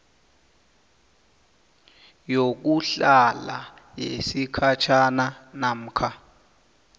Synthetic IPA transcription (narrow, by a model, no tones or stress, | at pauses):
jok̬uɬala̰jḛsikʰat͡ʃʰananam̩ːkʰa